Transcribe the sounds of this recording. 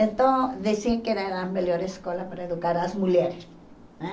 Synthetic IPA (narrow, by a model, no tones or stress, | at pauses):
ent̪õðesieŋkenaɾameljoɾeskolapaɾaeðukaɾasmuljeɾes | e